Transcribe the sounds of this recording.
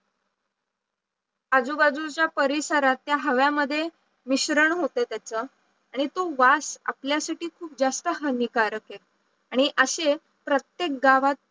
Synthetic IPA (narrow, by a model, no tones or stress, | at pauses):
ad͡zubad͡zut͡ɕjapəɾisaɾat̪ːjaɦəʋjaməd̪ʱːje | miɕɾəɳɦot̪et̪jat͡sə | aɽ̃it̪oʋasa̰pljasaʈiːkʰuːp̚d͡zast̪əɦənikaɾəke | aɽ̃iʔəɕe | pɾət̪jek̚ɡaʋat̪̚